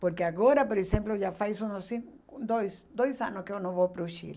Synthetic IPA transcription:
poɾkeaɣoɾɐpoɾesẽmploʒafajsũnosĩ | ud̪ojsd̪ojsã̰nʊskeewnõw̃vowpɾʊʃḭl

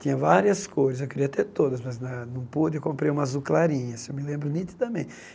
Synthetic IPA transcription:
t̪ĩɲɐvaɾiɐskojzɐszewkɪɾiɐt̪eɾt̪od̪ɐsmɐznɐnɐ̃w̃pud̪ɪkõmpɾeɾũmɐzuklaɾĩɲɐsewmɪlẽmbɾʊnĩt̪id̪ɐmẽ

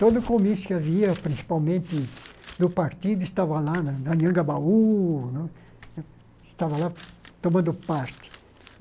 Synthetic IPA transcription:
t̪od̪ʊkomisʊ̥kɪaviɐpɾĩsi̥pawmẽnt̪ɪd̪ʊpaɾt̪id̪ʊɪst̪avɐlanɐnɐliɐ̃ŋɡɐbaunɛ̃ | ɪst̪avɐlat̪omɐ̃nd̪ʊpaɾt̪ɪ̥

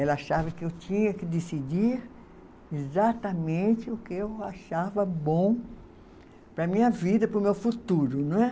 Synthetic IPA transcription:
ɛlɐaʃavɐkɪewt͡ʃĩɲɐkɪd̪esid͡ʒiɾ | ezat̪ɐmẽnt̪ɪʊkɪewaʃavɐbõw̃ | pɾɐmĩɲɐvid̪ɐpɾʊmewfut̪uɾʊñɛ

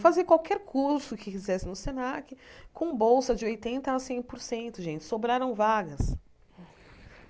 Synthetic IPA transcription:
faziɐkwawkɛɾkʰuɾsʊkɪfizɛsɪnʊsenakɪkõbowsɐd͡ʒɪojt̪ẽnt̪ɐːsẽj̃poɾsẽnt̪ʊʒẽnt͡ʃɪ̥sobɾaɾɐ̃w̃vaɡɐs

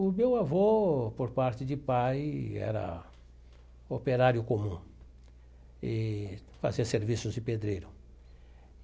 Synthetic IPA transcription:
ʊmewavopoɾpaɾt͡ʃɪd͡ʒɪpajɛ̰ɾɐ̰ | opeɾaɾjʊkomũ | ɪ | fa̰ziɐseɾvisʊzd͡ʒɪped̪ɾejɾʊ

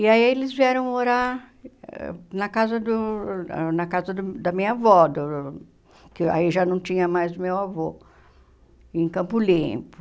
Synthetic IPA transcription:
iaielɪzviɛɾɐ̃w̃oɾaɾ | nɐkazɐd̪ʊ | nɐkazɐd̪ʊd̪ɐmĩɲɐavɔd̪ʊ | kɪa̰iʒanɐ̃w̃t͡ʃĩɲɐmajzmewavo | ẽj̃kɐ̃mpʊlĩpʊ̥

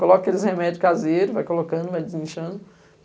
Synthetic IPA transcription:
kolɔkɐelɪshemɛd͡ʒʊkazeɾʊvajkolokɐ̃nd̪ʊvajd͡ʒɪzĩʃɐ̃nd̪ʊ

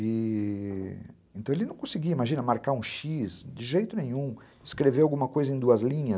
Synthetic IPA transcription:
ɪ | ẽt̪ɐ̃w̃elɪnɐ̃w̃kõsɪɡiwɐimaʒĩnɐmaɾkaɾũʃizd͡ʒɪʒejt̪ʊnẽɲ̃ũ | ɪskɾeveawɡũmɐkojzɐẽj̃d̪uɐzlĩɲɐ

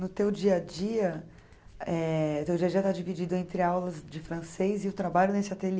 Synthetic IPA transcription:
nʊt̪ewd͡ʒiɐd͡ʒiɐ | ɛt̪ewd͡ʒiɐd͡ʒiɐt̪ad͡ʒivid͡ʒid̪ʊẽnt̪ɾɪawlɐzd͡ʒɪfɾɐ̃sejzɪʊt̪ɾabaʎʊnesɪat̪el

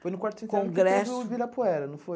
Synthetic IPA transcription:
fojnʊkwaɾt̪ʊĩtkõɡɾɛsvibiɾɐpoɛɾɐnɐ̃w̃foj

